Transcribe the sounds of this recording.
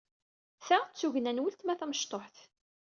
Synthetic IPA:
θæt͡sːuʝənænwəlt̪mæθæməʃt̪ˤoħθ

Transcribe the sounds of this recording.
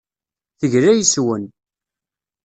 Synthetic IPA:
θəʝɾæjəswən

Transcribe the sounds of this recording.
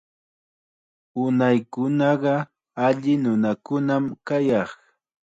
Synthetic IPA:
ʊnajkʊnɑɢɑ | aʎɪnʊnakʊnamkajɑχ

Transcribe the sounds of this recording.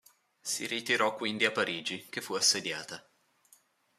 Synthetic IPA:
siɾit̪iɾɔkːwind̪iapːaɾiːd͡ʒik̟efːuasːed̪jaːt̪a

